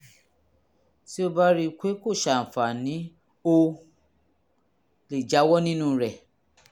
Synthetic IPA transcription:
si˦o˧ba˦ɾi˧kʷe˨˦ko˦˨ʃa˨n̩˨fa˨nĩ˨˦ | o˦ | le˨d͡ʒa˨˦wɔ˦nĩ˦nũ˦˨˧ɾɛ˨

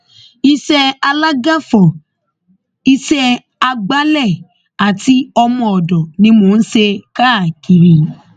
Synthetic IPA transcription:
i˧ʃɛ˧a˧la˦ɡa˦fɔ˨ | i˧ʃɛ˧ | a˧ɡ͡ba˦lɛ˦˨ | a˨ti˦ɔ˧mɔ̃˧ɔ˨dɔ˨nĩ˧˦mo˨˧n̩˦ʃe˧ka˦˨ki˨ɾi˨

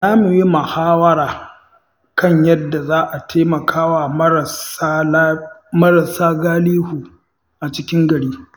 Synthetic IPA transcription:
naː˦mu˨ji˦mɐ˨haː˦wɐ˦ɾaː˨ | kɐ˦˨ɲjɐ˦dːa˨zaː˦ʔa˨tʰeː˦mɐ˨kʰaː˦wa˨˦˨a˦mɐ˦ɾɐ˨saː˦ɡaː˦liː˦huː˨ | ʔa˨t͡ʃɪ˦kʲɪ˦ŋɡɐ˨ɽiː˦

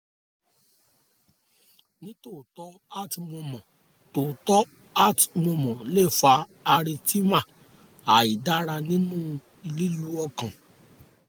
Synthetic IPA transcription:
nĩ˦to˦˨tɔ˨˦ | a˦˨tmɔ̃˧mɔ̃˨ | to˨tɔ˦ | a˦˨tmɔ̃˧mɔ̃˨le˦˨fa˧a˧ɾi˧ti˦ma˦˨ | a˨i˨da˨˦ɾa˧nĩ˦nũ˦˧ | i˧li˦ju˨˦ɔ˧kã˨

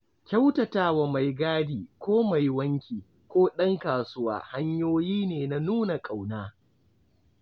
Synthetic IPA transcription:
kʲa˦wtɐ˨taː˦wa˨ma˨jɡaː˦diː˨kʷoː˦ma˨jwɐ˦ŋkʲiː˨ | kʷoː˦ɗɐ˦ŋkaː˨sʊ˦wa̰ː˨ha˦ɲjoː˦jiː˦neː˨na˨nuː˦na˨kʼa˨wnaː˦

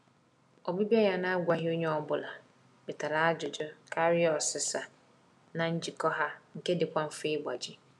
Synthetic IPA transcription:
ɔ˨bi˦bi˦ɛ˦ja˨nã˦a˦ɡʷa˨ɦɪ˦o˦ɲɛ˦ɔ˦bʊ˨la˨ | bɪ˨tʰa˨ɾa˦a˦d͡ʒʊ˨d͡ʒʊ˦kʰa˦ɾɪ˦ɔ˨sɪ˨sa˨ | nã˨ɲ̩˦d͡ʑi˨kɔ˦ɦa˦ŋ̩˨kɛ˦dɪ˨kʷã˦m̩˦fe˦bʷa˨d͡ʑɪ˦

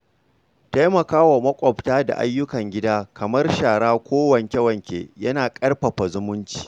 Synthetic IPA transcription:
ta˦jmɐ˨kaː˦wa˨mɐ˦kʷʼɔ˨ptaː˦da̰˨ʔa̰˦jːʊ˦kɐ˨ŋɡʲɪ˦daː˦kɐ˨mɐ˦rʃaː˨ɽaː˦kʷoː˦wɐ˨ŋkʲɐ˦wɐ˨ŋkʲḛː˨jɐ˦naː˨kʼɐ˦rɸɐ˨ɸɐ˨zʊ˦mʊ˦nt͡ʃi̥ː˨

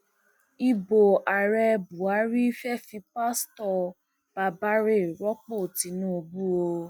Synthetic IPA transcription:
i˧bo˨a˨ɾɛ˧bu˨a˨˦ɾi˦fɛ˦fi˧pa˦stɔ˧ | b̥a˧ba˦ɾe˦˨ɾɔ˦k͡po˦˨ti˧˦nũ˦o˧bu˦o˧

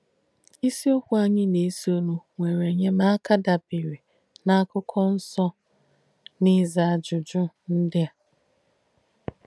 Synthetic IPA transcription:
i˦si˦o˦kʷu˦a˦ɲɪ˦ne˨˦si˦o˦nu˨ŋʷe˨ɾe˨ɲe˦ma˦a˦ka˦da˨bi˨ɾi˨ | na˦kʊ˦kʰɔ˦n̩˦sɔ˦ | nɪ˦za˨a˨d͡ʒʊ˨d͡ʒʊ˦ | n̩˦dɪ˦a˨

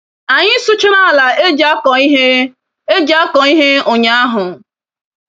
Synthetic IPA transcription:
a˨ɲɪ˦sʊ˦t͡ʃɪ˦ɾa˦a˨la˨e˦d͡ʒa˦kɔ˨i˦ɦe˦ | e˦d͡ʒa˦kɔ˨i˦ɦe˦o˨ɲa˦a˦ɦʊ˨

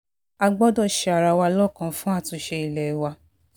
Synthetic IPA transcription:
a˧ɡ͡bɔ˦dɔ˦˨ʃe˧a˨ɾa˧wa˧lɔ˦˨kã˧fũ˦a˦˨tũ˧˦ʃe˧i˨lɛ˨wa˧

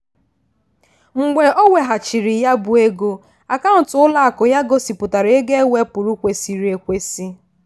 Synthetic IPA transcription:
ŋ͡m̩˨ɡ͡be˨o˦wʷe˨ɦa˨t͡ʃi˨ɾi˨ja˦bʊ˨e˦ɡo˦ | a˨ka˦n̩ʊ˨tʊ˨˦ʊ˦la˦a˨kʊ˨ja˦ɡo˦si˨pʊ˨ta˨ɾe˦ɡe˦e˦we˦pʊ˨ɾu˦kʷe˨˦si˨ɾe˨kʷe˦si˦

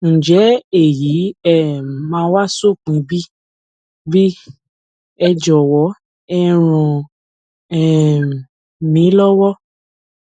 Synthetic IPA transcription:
ñ̩˨d͡ʒɛ˨˦e˦˨ji˨˦ɛ˦˨mãː˨˦wa˦so˦˨k͡pĩ˧˦bi˦ | bi˦ | ɛ˧d͡ʒɔ˨wɔ˨˦ | ɛ˧ɾ̃ɔ̃˧ | ɛ˦˨ | mĩ˨˦lɔ˦wɔ˦

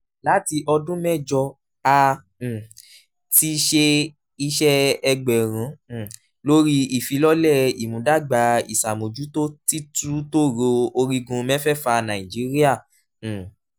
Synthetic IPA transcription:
la˨˦ti˧ʔɔ˧dũ˦mɛ̃˦˨d͡ʒɔ˧ | ã˧˨ | ti˧ʃe˧ | i˧ʃɛ˦ɛ˧ɡ͡bɛ˨ɾ̃ã˨˦˨ | lo˦ɾi˦i˨fi˨˦lɔ˦lɛ˦˨i˨mũ˨˦da˦˨ɡ͡ba˨˦i˨sa˨mo˨d͡ʒu˨˦to˦ti˦tu˦to˦ɾo˧o˧ɾi˧ɡũ˧mɛ̃˦fɛ˦˨fa˧nã˨i˨d͡ʒi˨˦ɾi˦ã˦˨

